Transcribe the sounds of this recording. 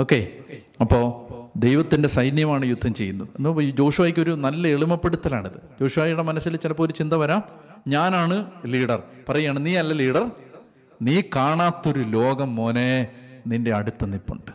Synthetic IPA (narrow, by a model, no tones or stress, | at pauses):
o̞ːkːe̞ | ɐpːo̞ːd̪ejʋɐt̪ːinde̞sɐjnjɐmaːɳɨjud̪ʱːɐmt͡ɕe̞jːunːɐðɨnːd͡ʑo̞ːʂʋaːjikʲːo̞ɾunɐlːɐeɭumɐpːeɽut̪ːɐlaːɳiðɨd͡ʑo̞ːʂuʋaːjiɽemɐnɐsːilt͡ɕilɐpːo̞ːlut͡ɕind̪ɐʋɐɾaːm | ɲaːnaːɳɨliːɽɐrpɐrɐjːaːɳɨniːɐlːɐliːɽɐr | niːkaːɳaːt̪ːo̞ɾulo̞ːɡɐmːoneninde̞ɐɽut̪ːɐnipːuɳɖɨ̥